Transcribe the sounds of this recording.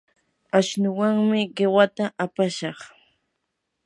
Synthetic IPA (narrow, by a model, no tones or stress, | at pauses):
aʃnʊwaŋmɪɢewat̪aʔapaʃɑχ